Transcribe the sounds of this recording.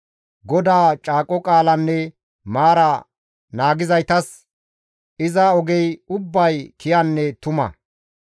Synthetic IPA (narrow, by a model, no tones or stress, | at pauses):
ɡɔd̪aːt͡ʃʼaːkʼːɔkʼaːlɐnːɛ | maːɾɐ | naːɡɪzɐjt̪ɐs | ɪzɐɔɡɛjʊbːɐjkɪjɐnːɛt̪ʊmɐ̰